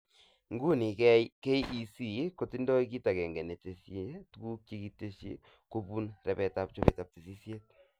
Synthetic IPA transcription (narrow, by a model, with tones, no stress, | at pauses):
ŋ˦ɡu˦ni˨kɛ˦jkɛ˦jʔi˦si˦˨˦ko˨ti˦ndɔ˦i˦ki˦ta˨kɛ˨ŋɡɛ˨ne˨te˨stu˦ɡu˦k̚t͡ʃi˦ki˦te˦ʃḭ˦ | ko˦pu˦nrɛ˨pɛ˨ta˦p̚t͡ʃo˦pɛ̰˨ta˨p̚ti˨si˦sje˦t̚